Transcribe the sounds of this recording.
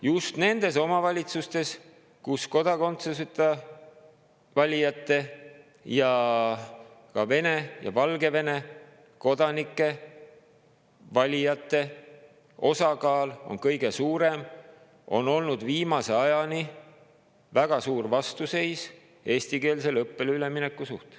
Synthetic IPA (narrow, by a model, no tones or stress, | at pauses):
just̪ne̞nd̪̥e̞s̬o̞mɑvɑlʲit̪sust̪e̞s | kusko̞d̪̥ɑko̞nt̪seset̪ːɑ | vɑlʲijɑt̪ˑːe̞ | jɑ | kɑve̞ne̞jɑ̰vɑlɡe̞ve̞ne̞ | ko̞d̪̥ɑnikˑːe̞ | vɑlʲijɑt̪ːˑe̞ | o̞sɑkɑːlo̞̰nkɤjɡ̥e̞suːɾe̞m | o̞no̞lnud̪̥viːmɑse̞ɑjɑni | væɡ̥ɑsuːrvɑst̪use̞js | e̞ːst̪ike̞ːlse̞lɤpːe̞lyleminekːˑusuht̪